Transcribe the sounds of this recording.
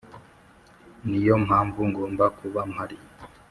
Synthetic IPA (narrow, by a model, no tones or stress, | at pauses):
nijom̥haːɱvuŋɡoːmbakuβam̥haɾi